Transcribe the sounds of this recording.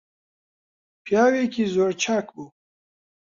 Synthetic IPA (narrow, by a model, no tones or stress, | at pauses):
pʰjaːwekʰizoːɾt͡ʃʰakbu